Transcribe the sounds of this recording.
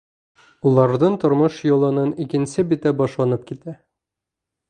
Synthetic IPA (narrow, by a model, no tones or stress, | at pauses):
ulˠɑɾd̪ɤnt̪ŏɾmɤʃjŏlˠɤ̆nɤnikɘ̆nsɘbit̪æbɒʃlˠɑnɤp̚kit̪æ